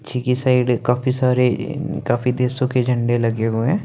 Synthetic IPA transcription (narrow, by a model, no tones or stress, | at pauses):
t͡ʃʰikisaːɪɖkaːfisaːɾekaːfid̪eːsõked͡ʒʱɐ̃ɳɖelɐɡeɦuẽː